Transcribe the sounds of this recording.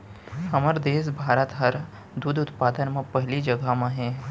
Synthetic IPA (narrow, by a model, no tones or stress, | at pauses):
hɐməɾd̪eːs̬bʱaːɾət̪ɦəɾ | d̪ud̪ʊt̪paːd̪ənmẽpɛɦlid͡ʒɐɡamẽɦɛ̃